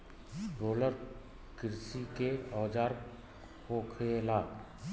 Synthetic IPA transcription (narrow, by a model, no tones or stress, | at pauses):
boːləɾ | kɪɾsikeɔːd͡ʒaːɾ | koːkʰelaː